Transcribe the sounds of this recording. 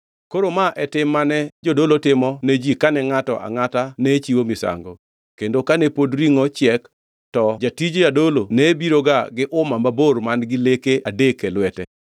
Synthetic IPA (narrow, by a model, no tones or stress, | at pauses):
koɾomaʔɛtɪmːanɛd͡ʒodolotɪmɔned͡ʒikanɛŋatɔ̰ʔa̰ŋatanet͡ʃiwomɪsa̰ŋɡo | kendokanepodɾiŋot͡ʃɪɛk | tɔd͡ʒatid͡ʒjadolonebiɾoɡaɡɪʔʊmamabormanɡɪlekeadekɛlwɛtɛ